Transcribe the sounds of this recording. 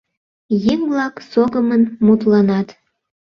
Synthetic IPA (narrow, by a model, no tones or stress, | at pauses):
jeŋblɑksoɣəmənmut̪lɑnɑt̪